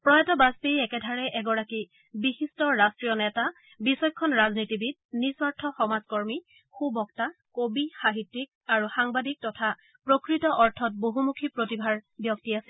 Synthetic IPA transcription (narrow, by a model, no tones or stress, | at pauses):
pɹɔjatɔbastejɛkɛdʱaɹɛʔɛɡɔɹaki | biɦistɔɹastɹijɔnɛta | bisɔjkʰːɔnɹaznitibit̚nisɔɹtʰɔxɔmazkɔɹmi | kʰubɔktakobixaɦitːik̚aɹuxaŋbadik̚tɔtʰa | pɹokɹitɔʔɔɹtʰɔt̚boɦumukʰipɹotibʱaɹbjɔk̚tiasɛ̥